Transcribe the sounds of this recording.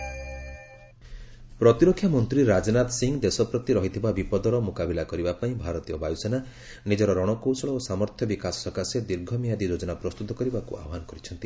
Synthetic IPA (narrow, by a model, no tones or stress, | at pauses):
pɾɔt̪iɾokʰjamɔnt̪ɾiɾad͡ʒɔnat̪ɔsiŋɡd̪esɔpɾɔt̪iɾɔɦit̪ʰibabipɔd̪ɔɾɔmukabilakɔɾibapaĩbʱaɾɔt̪ijɔbajusena | nid͡ʒɔɾɔɾɔɽ̃ɔkosɔɭɔosamɔɾt̪ʰjɔbikasɔ̥sɔkased̪iɾɡʱɔmijad̪id͡ʒod͡ʒɔnapɾɔst̪ut̪ɔkɔɾibakṵa̰ɦanɔkɔɾit͡ʃʰɔnt̪i